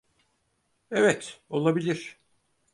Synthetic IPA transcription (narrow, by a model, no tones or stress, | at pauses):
evɛt̪o̞lˠabilʲiɾ̝̥